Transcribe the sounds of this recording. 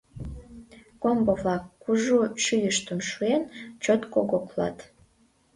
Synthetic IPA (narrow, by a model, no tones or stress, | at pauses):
kombovlɑkːuʒuʃyjəʃt̪əmʃuent͡ɕot̪koɣoklɑ̰t̪